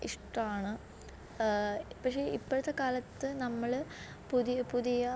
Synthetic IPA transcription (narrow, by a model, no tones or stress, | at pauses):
iʂʈɐmaːɳɨ | pɐkʂeipːoɽut̪ːekaːlɐt̪ːɨnɐmːɐɭ | puðijpuðijɐ